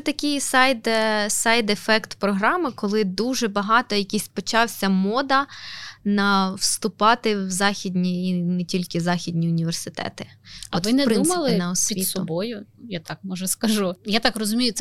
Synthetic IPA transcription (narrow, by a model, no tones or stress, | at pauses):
ɛt̪ɐkʲɪjsajd̪sɑjd̪ɛfɛkt̪pɾɔɦɾɑmɪkɔlˠɪd̪uʒɛbɐɦɑt̪ɔjɐkʲisʲpɔt͡ʃɑwsʲɐmɔd̪ɐnɐwst̪ʊpɑt̪ɪwzɑxʲid̪ʲnʲiːnɛtʲilʲkɪzɑxʲidʲnʲiʊnʲiʋersɪt̪ɛ̰t̪ɪɐɔt̪ɪnɛpdɾɪnumɪɐlˠɪnɐɔsʲʋʲiit̪sɔbɔjʊjat̪ɑk̚mɔʒɐskɐʒujat̪ɑkrɔzʊmʲijʊt̪